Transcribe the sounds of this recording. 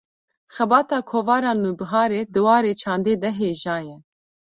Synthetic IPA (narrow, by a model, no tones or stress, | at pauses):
xɛbɑːt̪ɑːkʰoːvɑːɾɑːnuːbɨɦɑːɾeːd̪ɨwɑːɾeːt͡ʃʰɑːnd̪eːd̪ɛɦeːʒɑːjɛ